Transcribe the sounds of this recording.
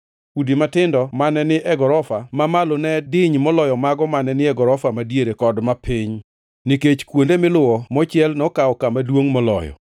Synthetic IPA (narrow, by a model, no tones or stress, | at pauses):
udimatɪndɔmanɛnɪʔɛɡɔɾɔfamamalonɛdɪɲmɔlɔjɔmaɡɔmanɛnɪɛɡɔɾɔfamadjeɾekɔdmapʰɪɲ | niket͡ʃkwondemɪlʊwɔmɔt͡ʃɪɛlnɔkaɔkamadwoŋmɔlɔ̰jɔ̰